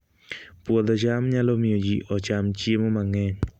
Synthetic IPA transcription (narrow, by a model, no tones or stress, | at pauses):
puɔd̪ɔt͡ʃamɲalɔmiod͡ʒiʔɔt͡ʃamt͡ʃiemɔmaŋɛɲ